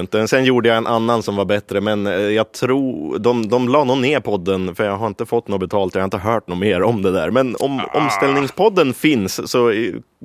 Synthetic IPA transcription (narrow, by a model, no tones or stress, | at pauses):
nt̪əmɛnsɛnjuːɖəjaɛnʔanːansɔmvaɾbɛt̪ːɾəmɛnjɑːɡ̚t̪ʰɾuːd̪ɔmd̪ɔmlɑːnoːnːeːɾpʰɔd̪ːənfœɾjɑːɡɦaɾɪnt̪əfɔt̪ːnoːbɛt̪ʰɑːlt̪ɔjaɑhaɾɪt̪əɦœːʈ̚noːmeːɾɔmd̪ɛd̪æ̰ːɾmɛnɔ̰mɔ̰mst̪ɛlnɪŋspʰɔd̪ːənfɪnsːɔ